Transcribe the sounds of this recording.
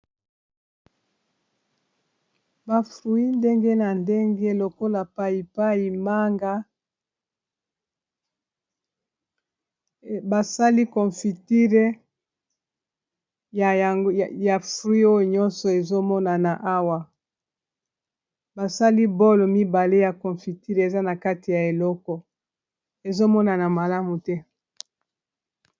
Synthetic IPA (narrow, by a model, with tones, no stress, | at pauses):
ba˨fʁu˨i˦nde˦ŋɡe˦na˨nde˦ŋɡe˦lo˨ko˦la˨pa˦i˨pa˦i˨ma˦ŋɡa˦ | ba˨sa˦li˦kɔ˨fi˨ti˦le˦ | ja˨˦˨ja˨fʁi˦o˦jo˨ɲɔ̃˦nsɔ˨e˨zo˦mɔ˦na˨na˨ʔa˦wa˨ | ba˨sa˦li˦bo˦lo˨mi˦ba˨le˦ja˨kɔ̃˨fi˨ti˦ʁe˨za˦na˨ka˦ti˨ja˨e˨lɔ˦kɔ˨ | e˨zo˦mɔ˦na˨na˨ma˨la˦mu˨tɛ˦